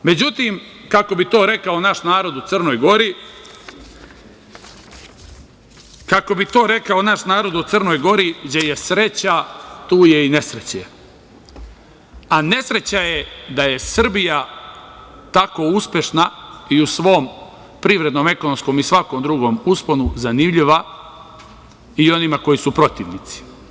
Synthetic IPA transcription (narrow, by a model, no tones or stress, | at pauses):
me̞d͡ʑut̪iːmkako̞bit̪o̞ːɾe̞kao̞naʃnaːɾo̞d̪ut̪sərno̞ːjɡo̞ɾi | kako̞bit̪o̞ːɾe̞kaonaʃnaːɾo̞d̪ut̪sərno̞ːjɡo̞ɾid͡ʑeje̞sɾe̞t͡ɕat̪uːje̞ine̞sɾet͡ɕe | ane̞sɾe̞t͡ɕajed̪aje̞sr̩bija | t̪ako̞uspʲje̞ʃnaiusʋo̞ːm | pɾiʋɾe̞d̪no̞me̞konomsko̞misʋako̞md̪ɾuɡo̞muspo̞nuzanimʎiʋa | io̞nimako̞jisupɾo̞t̪iʋnit̪si̥